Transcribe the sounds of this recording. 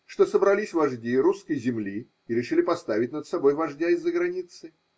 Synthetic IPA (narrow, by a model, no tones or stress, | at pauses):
ʂt̪o̞səbɾɐlʲisʲvɐʐdʲiɾuskəjzʲɪmlʲi | ɪɾʲɪʂɨlʲɪpɐst̪avʲɪtʲnət̪sɐbo̞jvɐʐdʲaɪzːəɡɾɐnʲit̪sɨ